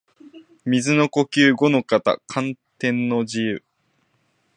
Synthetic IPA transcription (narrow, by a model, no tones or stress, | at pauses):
mʲizɨno̞ko̞kʲɨːɡo̞no̞kat̪a̰kʰãnt̪ẽ̞nːo̞d͡ʑijɯ̟